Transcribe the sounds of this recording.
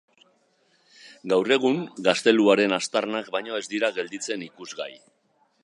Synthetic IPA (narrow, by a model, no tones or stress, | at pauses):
ɡawre̞ɣ̞uŋɡast̪e̞luaɾe̞nast̪arnakbajɲo̞e̞zd̪iɾaɣe̞ld̪it͡se̞nikuzɣaj